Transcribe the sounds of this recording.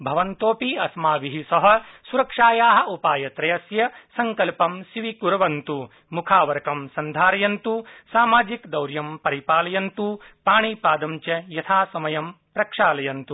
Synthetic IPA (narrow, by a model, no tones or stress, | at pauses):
bʱɐʋɐnt̪oːpiɐsmaːʋiɦisɐɦɐ̆suɾɐkʂaːjaːɦɐ̆upaːjɐt̪ɾɐjɐsjɐsɐŋkɐlpɐmʃiʋikuɾɐʋɐnt̪u | mukʰaːʋɐɾɐkɐmsɐnd̪ʱaːɾɐjɐnt̪usaːmaːd͡ʒikd̪ɐwɾjɐmpɐɾipaːlɐjɐnt̪upaːɳipaːd̪ɐmt͡ʃɐjɐt̪ʰaːsɐmɐjɐm | pɾɐkʂaːlɐjɐnt̪u